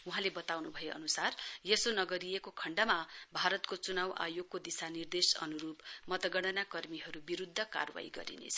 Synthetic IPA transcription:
uɦãlebʌt̪awnubʱʌjeʌ̰nusarjesonʌɡʌɾijekokʰʌɳɖamabʱaɾʌt̪kot͡sunawʔa̰joɡk̚kod̪isanird̪esʌ̰nuɾupmʌt̪ʌɡʌɽ̃ʌnakʌrmiɦʌɾubiɾud̪ʱːʌka̰rwa̰iɡʌ̰ɾḭnḛt͡sʰʌ

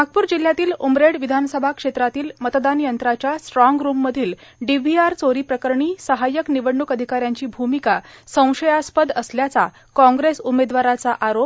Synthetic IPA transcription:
m̤ak̚puːɾd͡ʑil̤jat̪iːlumɾeɽʋid̪ʱansəbʱakʂet̪ɾat̪iːlmət̪d̪anjənt̪ɾat͡ɕjasʈɾɔŋɡɾumːəd̪ʱiːlɖibʱiaɾt͡soɾiːpɾəkəɾɳiːsəɦajəkniʋəɽːukəd̪ʱikaɾjaɲt͡ɕiːbʱumikasə̃w̃ʂəjaspəd̪əsljat͡sa̰ | kɔ̃ŋɡɾesumed̪ʋaɾat͡saʔaɾop̚

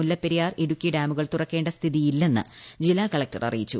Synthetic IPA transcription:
ulːɐpːeɾijaːreɾukʲːiɖaːmuɣɐɭt̪urɐkːe̞ːɳɖɐst̪ʰiðijilːe̞nːɨ̰d͡ʑilaːkɐɭɐk̚tɐ̰rɐ̰rijit͡ɕːu

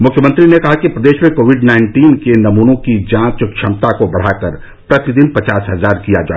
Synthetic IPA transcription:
mʊkʰjəmə̃nt̪ɾinekɐɦakipɾɐd̪eːʃmẽkoːʋɪɖnaɪ̃ɳʈiːnkenɐmuːnõkid͡ʒãːt͡ʃkʃʰɐmt̪akobɐɽ̤aːkəɾ | pɾɐt̪id̪ɪnpɐt͡ʃaːsɦɐzaːɾkijad͡ʒa̰ːe

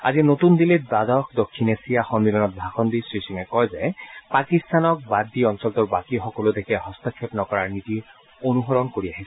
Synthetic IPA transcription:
a̰zinot̪und̪ilet̚bad̪ɔkd̪okʰːinesijaxɔmmilɔnɔt̪̚bʱaxɔnd̪isɹisiŋɛkɔjzɛpakist̪anɔk̚badːiɔnsɔlt̪ɔɹbakixɔkɔlod̪ekʰɛɦɔst̪akʰːjɔpnɔkɔɹaɹnit̪i | onuɦɔɹɔnkoɹiaɦisɛ

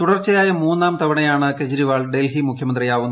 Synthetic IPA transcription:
t̪uɽɐrt͡ɕɐjaːjɐmuːnːaːmt̪ɐʋɐɳɐjaːɳɨkɐd͡ʑiɾiʋaːɭɖelɦimukʰjɐmɐnd̪rijaːʋunːu

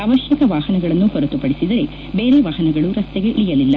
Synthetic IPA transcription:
ɐʋɐʃjɐkɐʋaːhɐnɐɡɐɭɐnːuhɔɾɐt̪ːupɐɽisid̪ɐɾe̞ | beːɾe̞ʋaːɦɐnɐɡɐɭuɾɐst̪ɛɡeʔiɭijɐlilːɐ

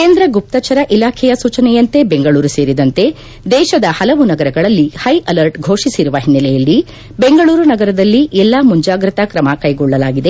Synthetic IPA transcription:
keːnd̪ɾɐɡup̚t̪ɐt͡ʃɐɾɐʔilaːkʰɛjɐsuːt͡ʃɐnɛjɐnt̪e̞beŋɡɐɭuːɾuse̞ːɾid̪ɐnt̪e̞ | d̪ɛːʃɐd̪ɐhɐlɐʋunɐɡɐɾɐɡɐɭɐlːihɐjʔɐlɐɾʈɡʱo̞ːʂisiɾuʋɐɦinːɐlɛjɐlːi | beŋɡɐɭuːɾunɐɡɐɾɐd̪ɐlːiʔɛlːɐmuɲd͡ʒaːɡɾɐt̪ɐkɾɐmɐkɐjɡɔɭːɐlaːɡid̪e

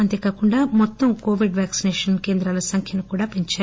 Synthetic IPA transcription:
ɐnt̪e̞ːkaːkuɳɖaːmɔt̪ːɐmko̞ːʋiɖʋaːksineːʂɐnke̞ːnd̪ɾaːlɐsɐŋkʰjɐnikuːɽaːpeɲt͡ʃaː

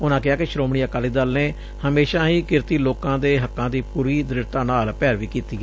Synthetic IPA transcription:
ʊnãːkɪaːkɪʃɾoːmɳiːəkaːliːd̪əlneː | həmeːʃaːɦiːkɪɾt̪iːloːkãːd̪eːɦəkːãːd̪iːpuːɾiːd̪ɾɪɾt̪ãːnaːlpɛːɾʋiːkiːt̪iːɡ

